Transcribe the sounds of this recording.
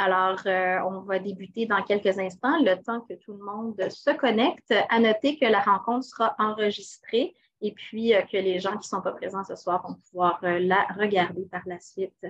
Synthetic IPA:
alɔːʁøɔ̃vad̪ebyt̪ed̪ɑ̃kʲɛlkəzɛ̃st̪ɑ̃lət̪ɑ̃kʲət̪ulmɔ̃d̪səkɔnɛkt̪anɔt̪ekʲəlaʁɑ̃kɔ̃t̪χsəʁaʔɑ̃ʁəʒist̪χe | epʰɥiøkʰʲəleʒɑ̃kʲi̥sɔ̃papχezɑ̃səswaːʁvɔ̃puvwaːʁølaʁəɡʲaʁd̪epaʁlasɥɪt̪

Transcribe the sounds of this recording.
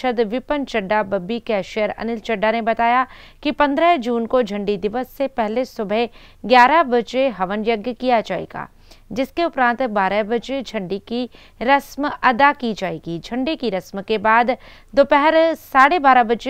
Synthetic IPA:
əd̪ʋɪpənt͡ʃɐɖːabɐbːikɛːʃijəɾɐ̰nɪlt͡ʃɐɖːanebɐt̪aːjakipɐ̃nd̪ɾəɦd͡ʒuːnkod͡ʒʱɐ̃ɳɖid̪ɪʋəsːepɛɦlesʊbʱə | ɡjaːɾabɐt͡ʃeɦɐʋənjɐɡjəkijad͡ʒaːḛːɡa̰ː | d͡ʒɪskeʊpɾãːnt̪baːɾəbɐd͡ʒed͡ʒʱɐ̃ɳɖiki | ɾɐsmɐd̪akid͡ʒaːḛːɡid͡ʒʱɐ̃ɳɖikiɾɐsmkebaːd̪ | d̪oːpɛɦɛɾsaːɽebaːɾabɐt͡ʃe

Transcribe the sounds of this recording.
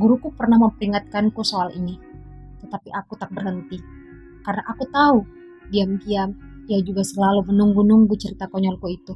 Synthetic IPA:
ɡuɾukupərnahməmpəɾiŋat̪̚kankusoalḭni | t̪ət̪apiʔakut̪ak̚bərɦənt̪i | kaɾənaʔakut̪au | diamkiamijad͡ʒuɡasəlalumənuŋɡunuŋɡut͡ʃəɾit̪akɔɲɔlkuit̪u

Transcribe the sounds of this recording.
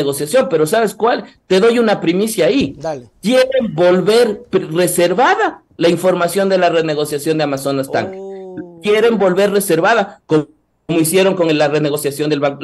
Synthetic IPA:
eɣosjasjo̞mpe̞ɾo̞saβe̞skwalt̪e̞ðo̞junapɾimisjaːikje̞ɾe̞mbo̞lβe̞ɾpre̞se̞ɾβaða | laiɱfo̞ɾmasjo̞nd̪e̞lare̞ne̞ɣo̞sjasjo̞nd̪eamaso̞nast̪a̰ŋkekje̞ɾe̞mbo̞lβe̞ɾre̞se̞ɾβaðako | moisje̞ɾo̞ŋko̞ŋelarene̞ɣo̞sjasjo̞nd̪elβa

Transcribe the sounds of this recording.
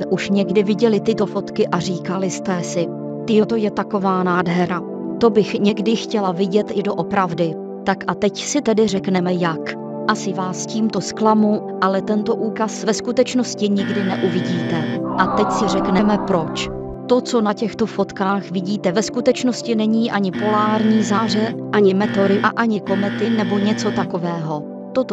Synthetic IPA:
ʔuʃɲɛɡdɪvɪɟɛlɪt̪ɪt̪o̞fo̞t̪kɪʔariːkalɪst̪ɛsɪ | t̪ɪjot̪o̞jɛt̪ako̞vaːnaːdɦɛɾa | t̪o̞bɪxɲɛɡdɪxcɛlavɪɟɛt̪ʔɪdo̞ʔo̞pɾavdɪ | t̪akʔat̪ɛcsɪt̪ɛdɪrɛknɛmɛjak | ʔasɪvaːsciːmt̪o̞sklamu | ʔalɛt̪ɛnt̪o̞ʔuːkasvɛskut̪ɛt͡ʃnoscɪɲɪɡdɪnɛʔuvɪɟiːt̪ɛʔat̪ɛcsɪrɛknɛmɛpɾo̞t͡ʃ | t̪o̞t͡so̞nacɛxt̪o̞fo̞t̪kaːxvɪɟiːt̪ɛvɛskut̪ɛt͡ʃno̞scɪnɛɲiːʔaɲɪpo̞laːɾɲiːzaːr̝ɛʔaɲɪmɛt̪o̞ɾɪʔaʔaɲɪko̞mɛt̪ɪnɛbo̞ɲɛt͡so̞t̪ako̞vɛːɦo̞ | t̪ot̪

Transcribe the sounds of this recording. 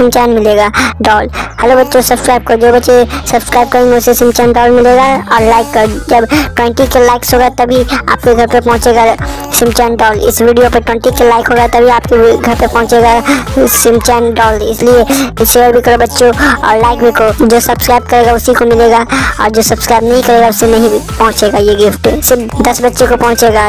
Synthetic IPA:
sɪ̃mt͡ʃɛːnmɪleɡaɖɔːlhɐlobɐtːʃõsɐbskɾaːɪb̚kɐod͡ʒoːbɐtːʃesɐbskɾaːɪb̚kəɾẽŋɡeʊsesɪmt͡ʃɛːnɖɔːlmɪleɡaɔːɾlaːɪkːɐɾod͡ʒɐbʈwɛ̃ɳʈikelaːɪksɦoːɡat̪ɐbʱia̰ːp̚keɡʱɐɾpepɔ̃ɦʊ̃t͡ʃeɡa | sɪ̃mt͡ʃɛːnɖɔːlɪ̰swiːɖijopɐɾʈwɛ̃ɳʈikelaːɪkɦoːɡat̪ɐbʱiaːpkeɡʱɐɾpeɾpɔ̃ɦʊ̃t͡ʃeɡasɪ̃mt͡ʃɛːnɖɔːlɪslieʃeːɾbʱikɐɾobɐtːʃoɔ̰ːɾlaːɪkbʱikod͡ʒoːsɐbskɾaːɪb̚kɐɾeɡaʊsikomɪleɡaɔ̰ːɾd͡ʒoːsɐbskɾaːɪbnɐɦĩkɐɾeɡaʊsenɐɦĩpɐɦʊ̃t͡ʃeɡajeɡɪfʈsɪd̪ɐsbɐtːʃekopɐ̃ɦʊ̃t͡ʃeɡa

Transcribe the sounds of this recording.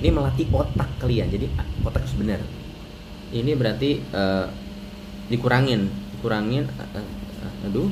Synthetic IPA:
niməlat̪̬ikot̪akːəliand͡ʒadikot̪aksəbənər | inibəɾart̪iə | dikuɾaŋɪndikuɾaŋɪn̰ʔəhə̰hədu

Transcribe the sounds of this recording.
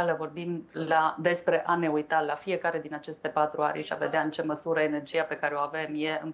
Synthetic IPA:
aləvo̞rbimlad̪e̞spɾe̞ʔane̞ujt̪alafije̞kaɾe̞d̪inat͡ʃe̞st̪e̞pat̪ɾua̰ɾʲʃia̰ve̞d̪eaɨnt͡ʃe̞məsuɾəene̞rd͡ʒiape̞kaɾeo̞ave̞mje̞ɨn

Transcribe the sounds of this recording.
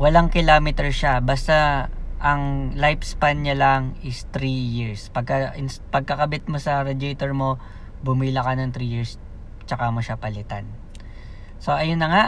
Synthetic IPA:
wɐlaŋkɪlaːmɪt̪ɛɹʃabɐst̪aʔɐŋlajpspanɲɐlaŋɪst̪ɾijiɹspɐɡ̚kɐʔɪnspɐɡ̚kɐkɐbɪt̪̚mosɐɾɛd͡ʒɪt̪ɛɹmo̞ | bʊmiːlɐkɐnɐŋt̪ɾijiɹs | t͡ʃɐkamoʃapɐlɪt̪a̰n | so̞ʔɐjʊnːɐŋa

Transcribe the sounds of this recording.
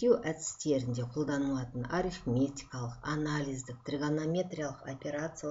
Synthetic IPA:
uwʔæt̪ɪ̥st̪e̞ɾɪnd̪e̞qʰo̞lˠd̪ɑnəlˠɑt̪ənɑɾifmʲet̪ʲi̥kɑlˠəqanalʲijzd̪ɪq̚t̪rʲiɡanomʲe̞t̪ɾʲijalˠəqopʲe̞ɾat̪sɨ

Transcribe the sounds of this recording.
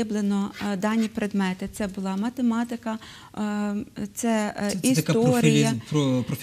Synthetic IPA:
ɪblˠenɔd̪ɑnʲipɾed̪mɛt̪ɪt̪sɛbʊlˠɑmɐt̪emɑt̪ɪkɐ | t̪sɛist̪ɐtk̪ɔɾijɐpɾɔpɾɔf

